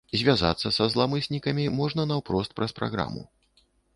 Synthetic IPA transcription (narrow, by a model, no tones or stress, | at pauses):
zʲvʲaza̰t̪sːɐsɐzlˠamɨsʲnʲikɐmʲimɔʐnɐnɐwpɾɔst̪̚pɾɐspɾa̰ɣɾa̰mṵ